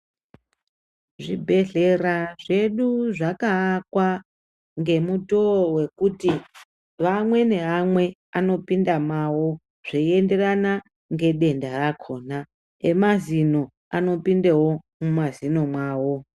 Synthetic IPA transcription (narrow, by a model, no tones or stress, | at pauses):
ʐibʱe̞ɮe̞raʐe̞ɗuʐakakwa | ŋɡe̞mutowe̞kuti | ʋamwe̞ne̞ɦamwe̞ano̞pindamawo̞ | ʐ̥eie̞nde̞rana | ŋɡe̞ɗe̞ndarakʰo̞ːna | emazino̞ | ano̞pindewo̞mumazino̞mwaːwo̞